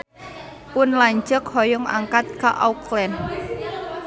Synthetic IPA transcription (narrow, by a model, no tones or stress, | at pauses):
pʊnlaɲd͡ʒək̚hɔjʊŋa̰ŋkat̪̚kaʔauklɛn